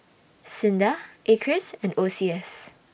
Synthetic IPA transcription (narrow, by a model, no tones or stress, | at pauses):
sɪ̃ndəʔekʰɹɪsɛ̃nosiɛs